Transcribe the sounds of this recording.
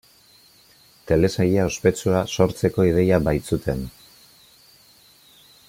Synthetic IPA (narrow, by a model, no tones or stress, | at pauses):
t̪e̞le̞sajiao̞spe̞t͡suaso̞ɾt͡se̞ko̞ið̞e̞jabajt͡sut̪ʰe̞n